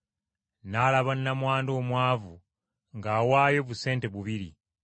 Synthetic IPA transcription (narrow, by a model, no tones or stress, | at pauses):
nalaβaninamwaːndo̞ːmwaːvu | ŋɡawaːjo̞βuse̞ːnteβuβiɾḭ